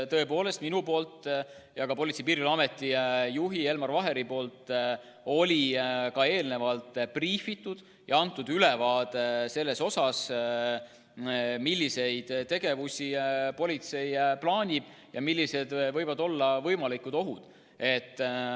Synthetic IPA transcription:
t̪ɤ̞e̞po̞ːle̞st̪minupo̞ːlt̪ | jɑkɑpo̞lʲit̪sejpiːɾilɑme̞t̪ːˑijuɦie̞lmɑrvɑɦe̞ɾipo̞ːlt̪ | o̞lʲikɑe̞ːlne̞vɑlt̪priːfit̪ːˑud̪̥ | jʔɑɑnt̪ːˑud̪ylevɑːd̪̥ese̞lːe̞so̞sɑs | milʲːise̞jd̪̥t̪e̞ɡ̥e̞vusʲipo̞lʲit̪se̞jplɑːnʲib̥ | jɑmilʲːise̞d̪vɤjvɑd̪o̞lːɑvɤjmɑlikud̪o̞ɦud̪̥ | e̞t̪ːˑ

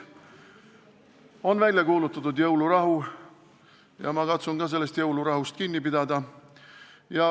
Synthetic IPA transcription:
o̞nvælʲjɑkuːlut̪ːˑɑt̪ːud̪jɤwluɾɑɦu | jɑ̰mɑkɑt̪sunkɑs̬e̞lːe̞st̪jɤwluɾɑɦust̪̚kinʲːipid̪ɑd̪ɑ | jɑ

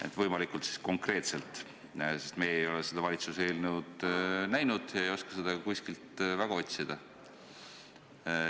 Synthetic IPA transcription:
ḛt̪ːvɤjmɑlikult̪si̥sko̞ŋkre̞ːt̪se̞lt̪ˑ | se̞st̪mejejo̞lesed̪ɑvɑlʲit̪suse̞ːlnud̪̥næjnud̪̥jɑejo̞skɑ̥sed̪̥ɑɑkuskilt̪væɡ̥ɑo̞t̪ʲsid̪̥ɑ

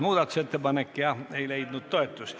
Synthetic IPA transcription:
muːd̪ɑt̪uset̪ːebɑnekːiɑeileid̪nut̪t̪oet̪ːus

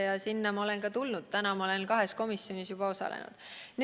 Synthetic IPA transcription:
jɑsinːɑmɑolenkɑt̪ulnud̪̥̚t̪ænɑmɑole̞nkɑɦe̞sko̞misjo̞nisjub̥ɑo̞sɑ̰lḛnṵd̪̥n

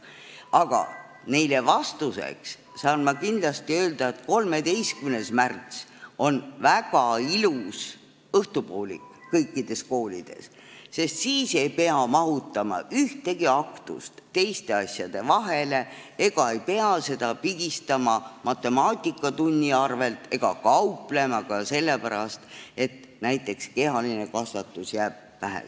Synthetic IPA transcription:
ɑɡ̥ɑ̰ | ne̞jlevɑst̪use̞̰ks | sɑːnmɑkind̪lɑst̪iø̞ːld̪ɑe̞t̪ko̞lme̞d̪e̞jskymne̞smært̪so̞nvæɡ̥ɑilus | ɤht̪upoːlʲḭkːɤjkːˑid̪̥e̞sko̞ːlḭd̪̥e̞̰s | se̞st̪siːse̞jpe̞ɑmɑɦut̪ːˑɑmɑ̰yht̪e̞ɡ̥iɑkt̪ṵst̪t̪ːe̞jst̪e̞ɑsʲjɑd̪̥e̞vɑɦe̞le̞ | eɡ̥ɑe̞jpe̞ɑse̞d̪̥ɑpiɡ̥ist̪ɑmɑmɑt̪ːˑe̞mɑːt̪ʲˑikːˑɑt̪unʲːiɑrve̞lt̪e̞ɡ̥ɑkɑuple̞mɑkɑse̞lːe̞pæɾɑst̪e̞t̪ | næjt̪ːˑe̞kske̞ɦɑline̞kɑsvɑt̪ːˑusjæːb̥̚væɦæ̰

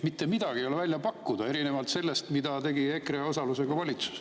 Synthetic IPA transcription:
mit̪ːe̞mid̪̥ɑɡ̥iejolevælʲjɑpɑkːud̪ɑe̞ɾine̞vɑlt̪se̞lːest̪mid̪ɑt̪e̞ɡiekreo̞sɑluse̞ɡ̥ɑvɑlʲit̪su̥s

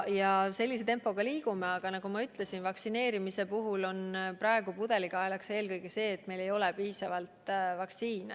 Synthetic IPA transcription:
jɑse̞lːis̬e̞t̪e̞mpːo̞ɡ̥ɑliːɡ̥ume̞ɑɡ̥ɑnɑɡ̥umɑyt̪le̞sinvɑksine̞ːɾimise̞puɦulo̞npɾɑeɡ̥upud̪̥e̞likɑelɑkse̞ːlkɤjɡ̥ese̞ːt̪me̞jle̞jo̞lepiːsɑvɑlt̪vɑksiːne

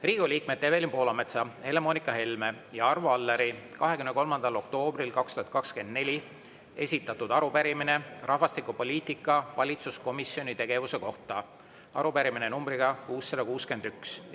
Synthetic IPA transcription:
riːɡ̥uliːk̚met̪ːevelʲimpo̞ːlɑme̞t̪sɑhe̞le̞mo̞ːnikːˑɑɦe̞lme̞ | jɑɑrvuɑlːeɾikɑɦekymneko̞lmɑnd̪̥ɑlo̞k̚t̪o̞ːbrilkɑkst̪uhɑt̪̚kɑkske̞nd̪ne̞lʲi | e̞̰sʲit̪ːˑɑt̪ːud̪̥ɑɾupæɾimine̞rʔɑhvɑst̪ikːˑupo̞lʲiːt̪ikːˑɑvɑlʲit̪susko̞misio̞nit̪e̞ɡ̥e̞vuse̞ko̞ht̪ɑ | ɑ̰ɾupæɾiminenumbɾiɡ̥ɑkuːsːɑd̪ɑkuːske̞nd̪̥yks

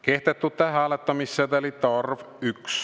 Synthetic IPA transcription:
keht̪et̪ːut̪ːæhæɑlet̪ːɑmisːet̪ælit̪ɑrvyks

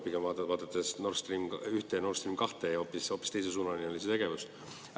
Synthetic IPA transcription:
pikevɑːt̪vɑːt̪ɑt̪ːˑesnorst̪rimkyht̪eno̞rst̪rimkɑht̪eo̞pːiso̞pːi̥st̪e̞jses̬uːnɑnʲiolis̬et̪e̞ɡe̞vus

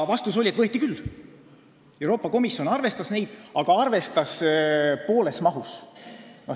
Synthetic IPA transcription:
vɑst̪uso̞lʲiet̪vɤet̪ːikylː | e̞wɾo̞ːpˑːɑko̞misjo̞nɑrve̞st̪ɑsne̞jd̪̥ɑɡ̥ɑɑrve̞st̪ɑspo̞ːle̞smɑɦus | no

